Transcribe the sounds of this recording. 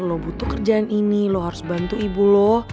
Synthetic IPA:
lobut̪ukərd͡ʒaːninilohɦaɾʊsbant̪uibulɔh

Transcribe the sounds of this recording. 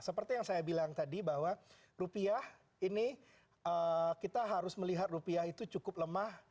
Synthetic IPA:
səpərt̪ijaŋsajabilaŋt̪adibahwa | rupiah | ini | əkit̪aɦaɾʊsməliɦat̪̚rupiahit̪ut͡ʃukʊp̚ləmah

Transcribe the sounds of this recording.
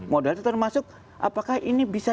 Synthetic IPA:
modɛlt̪ut̪ərmasʊk̚ | ʔa̰pakahʔinibisa

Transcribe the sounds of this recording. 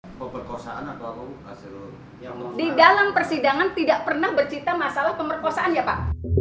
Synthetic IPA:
pəpərkosa̰ʔanat̪awapaka̰sil | jaŋdidalampərsidaŋant̪idaʔ̚pərnahbərt͡ʃit̪amasalahpəmərkosaʔanjapa̰ʔ

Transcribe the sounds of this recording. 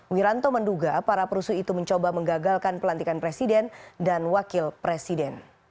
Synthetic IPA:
wiɾant̪omənduɡapaɾapəɾusuit̪uməɲt͡ʃobaməŋɡaɡalkanpəlant̪ikanpɾesidɛndanwakɪlpɾesidɛn

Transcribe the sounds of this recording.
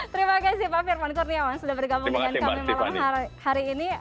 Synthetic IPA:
t̪əɾimakasipafirmankurniawaŋsudabərɡabuəkankamimalaamɦahaɾiːni

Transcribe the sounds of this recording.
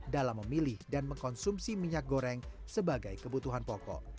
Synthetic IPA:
dalamːəmilɪhdanməŋkɔnsumsimiɲak̚ɡoɾɛŋ | səbaɡajkəbut̪uɦanpɔkɔ̰ʔ

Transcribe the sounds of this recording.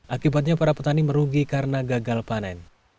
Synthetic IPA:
ʔakibat̪̚ɲapaɾapət̪animəɾuɡikaɾənaɡaɡalpanɛn

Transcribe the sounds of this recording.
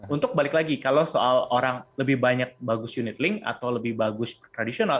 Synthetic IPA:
unt̪ʊk̚balɪklaɡikalowsoaloɾaŋləbɪhbaɲak̚baɡʊsjunɪt̪lɪŋa̰t̪awləbɪhbaɡʊsbərt̪ɾadisional

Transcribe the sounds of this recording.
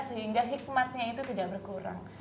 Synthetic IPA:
səɦiŋɡaɦik̚mat̪̚ɲait̪ut̪idaʔ̚bərkuɾa̰ŋ

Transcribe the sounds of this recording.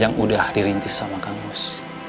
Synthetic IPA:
jaŋudahdiɾint̪ɪsamakaŋʊs

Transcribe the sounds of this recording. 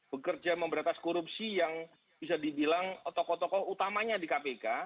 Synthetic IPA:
b̥əkərd͡ʒaməmbəɾat̪askoɾupsijaŋ | b̥isadibilaŋt̪ɔkɔt̪ɔkɔut̪amaɲadikapeka

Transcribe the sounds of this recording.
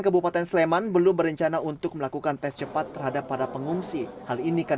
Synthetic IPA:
ŋkəbupat̪ɛnsəlemanbəlʊmbəɾəɲt͡ʃanaunt̪ʊk̚məlakukant̪ɛst͡ʃəpat̪ːərɦadapːadapəŋuŋsihalinikə

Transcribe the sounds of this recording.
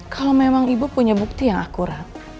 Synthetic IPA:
kʰalomemaŋibupuɲabuk̚t̪ijaŋakuɾat̪̚

